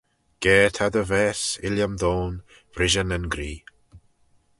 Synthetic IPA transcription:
ɡ̥ɛːt̪ʰad̪əvɛːsɪljamd̪oːn | v̥ɾɪʒənənɡɾiː

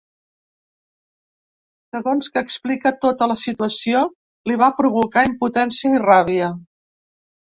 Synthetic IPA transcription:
səɣonskəːksplikət̪ot̪ələsit̪uəsio | liβ̞apɾuβukaimput̪ɛnsiəiraβ̞iə

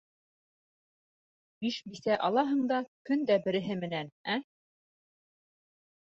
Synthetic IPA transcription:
biʃbisæʔɑlˠɑɦɤ̆ɴd̪ɑkɵnd̪æbɘ̆ɾɘ̆ɦɘmɘ̆nænæ

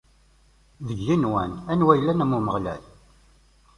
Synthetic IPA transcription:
ðəʝːinwænænwæjlːænæmːuməʁlæ̰l

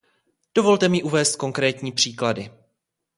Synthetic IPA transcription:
d̥o̞vo̞lt̪ɛmɪʔuvɛːst̪̚ko̞ŋkɾɛːt̪ɲiːpr̝̥iːkladɪ

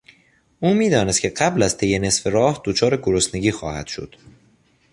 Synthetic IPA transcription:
ʔuːmiːd̪ɒːnest̪cʰe̞ɢæblæzt̪ʰe̞jene̞sfe̞ɾɒːhd̪̥ot͡ʃʰɒːɾe̞ɡoɾosneɟiːxɒ̰ːhæ̰d̪̥ʃo̞̰d̪̥

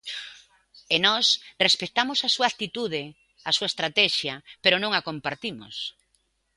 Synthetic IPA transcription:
enɔsrespet̪amosasuakt̪it̪uðɪ | asuaest̪ɾat̪ɛʃjɐpeɾʊnõŋakompaɾt̪imo̰s

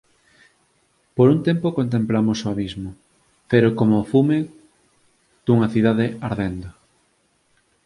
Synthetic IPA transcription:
poɾunt̪empokont̪̬emplamosoaβizmʊ | peɾokomofume | d̪̥uŋɐθiðaðeaɾðend̪o

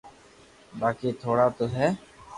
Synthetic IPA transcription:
baːkiːt̪ʰoːɽaːt̪oːɦɛː

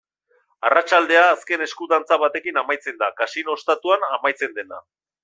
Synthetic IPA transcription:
arat͡ʃald̪e̞aːske̞ne̞skuðant͡saβat̪e̞kinamajt͡se̞nd̪akasino̞st̪at̪uanamajt͡se̞nd̪e̞na̰

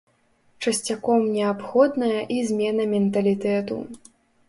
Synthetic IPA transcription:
t͡ʂɐsʲt͡sʲakɔmnʲɛapxɔd̪nɐjɐʔizʲmʲɛnɐmʲɛnt̪ɐlʲit̪ɛt̪ṵ

